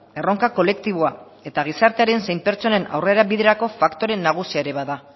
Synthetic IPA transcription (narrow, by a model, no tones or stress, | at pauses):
e̞ro̞ŋkako̞le̞kt̪iβoa | e̞t̪aɣ̞isaɾt̪e̞aɾe̞nse̞jmpe̞ɾt͡sone̞na̰wre̞ɾaβiðe̞ɾako̞fakt̪o̞ɾe̞nːaɣ̞usiaeɾe̞βaða